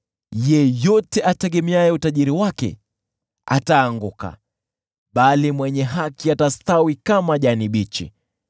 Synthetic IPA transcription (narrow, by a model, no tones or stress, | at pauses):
jɛjɔtɛʔatɛɠɛmɛajɛutaʄiɾiwakɛ̰ | a̰taːŋɡuka̰ | ɓalimwɛɲɛɦakiatast̪awikamaʄaniɓit͡ʃḭ